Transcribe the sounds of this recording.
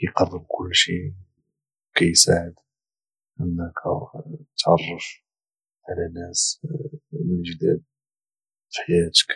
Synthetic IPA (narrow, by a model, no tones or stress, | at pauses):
jqɑrˤːəb̚kʰʊlːʃi | wkæjsaʕəd̪ | ʔənːækʰæt̪ʕɑrˤːəf | ʕalænːæs | lməʒd̪æ̰d̪̚ | fi̥ħajæt̪ə̥k